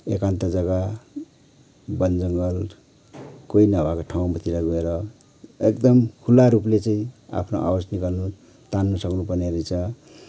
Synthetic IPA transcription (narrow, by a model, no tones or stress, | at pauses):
ekant̪ʌd͡zʌɡa | bʌnd͡zʌŋɡʌl | koinʌbakoʈʰaw̃mʌt̪ʰiɾaɡoeɾʌ | ekd̪ʌmkʰulaɾuplet͡sʌĩa̰pʰnoʔa̰bʌsniɡʌrnu | t̪anːusʌknupʌrneɾijt͡sʰʌ